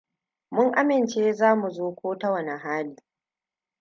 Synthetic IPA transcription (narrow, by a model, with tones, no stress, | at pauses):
mʊ˦ŋʔa˦mɪ˨nt͡ʃeː˦zaː˦mu˨zoː˦kʷʰoː˦tɐ˦wɐ˨na˨ɦaː˦liː˨